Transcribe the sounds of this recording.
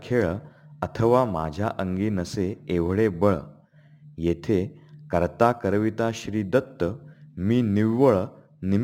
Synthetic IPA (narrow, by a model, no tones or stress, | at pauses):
kʰeɭət̪ʰəʋama̰d͡ʑʱjaʔəŋɡiːnəseeʋ̤ɭebəɭ | jet̪ʰekəɾt̪akəɾʋit̪aɕɾiːd̪ət̪ːəmiːniʋʋəɭ | nim